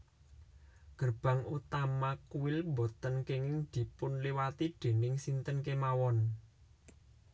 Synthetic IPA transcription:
ɡ̥ə̤rb̥a̤ŋut̪amakuwɪlmbot̪ənkeŋɪŋd̪̥i̤pʊnliwat̪idɖ̪̥e̤nɪŋsint̪ənkemawɔn

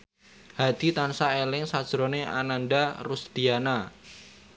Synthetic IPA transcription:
had̪̥i̤t̪ansaelɪŋsad̥ʒ̥ɾɔneʔa̰nanɖarusd̪̥iana

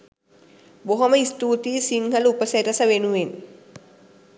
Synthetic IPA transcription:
boɦoməist̪uːt̪iːsiŋɦəlupəset̪ɐsəʋenuʋen

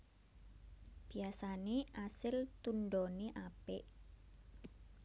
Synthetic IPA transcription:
b̥i̤asaneʔasɪlt̪unɖɔneʔapɪʔ

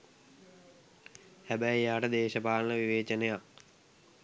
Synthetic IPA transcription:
hæbɛjjaːʈəd̪eːɕəpaːlənəʋiʋeːt͡ʃənejak̚

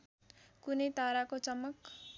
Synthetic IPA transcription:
kunʌjt̪aɾakot͡sʌmːʌk

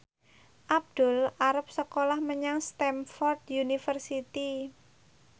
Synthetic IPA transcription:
ʔab̚d̪̥ʊ̤laɾəp̚səkolahməɲaŋst̪ɛmfɔrt̪̚junifərsit̪i

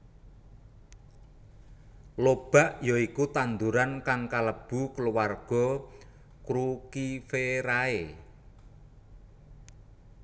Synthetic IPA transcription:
lob̥a̤ʔjɔikut̪and̪uɾankaŋkaləb̥ṳkəluwarɡ̥ɔ̤ | kɾukifeɾae

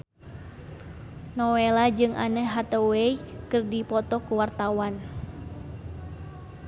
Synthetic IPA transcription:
nɔwelad͡ʒɨŋʔa̰nəɦat̪əweikɨrdipɔt̪ɔkuwart̪awan

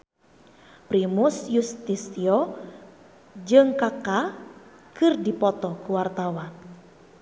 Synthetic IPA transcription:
pɾimusjust̪isiɔ | d͡ʒɨŋkaka | kɨrdipɔt̪ɔkuwart̪awan

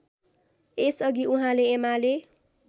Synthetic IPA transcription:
esʌɡiuɦãleːmale

